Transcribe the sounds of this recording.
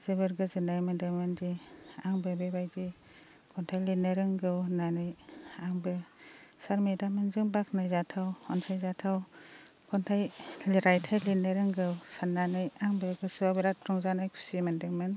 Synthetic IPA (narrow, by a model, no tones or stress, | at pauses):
z̥ɯbɯɾɡɯzɯnajmɯndɯmɯndiaŋbɯbebajdi | kʰɔntʰajlinɯɾɯŋɡɯwnanɯjaŋbɯsaɾmedamɯnzɯŋbak̚nɯjzatʰawɔnsajzatʰawkʰɔntʰajliɾajtʰajlineɾɯŋɡɯwsanːanɯjaŋbɯɡɯsɯbabiɾatʰɾɔŋzanajkʰu̥simandɯŋmɯn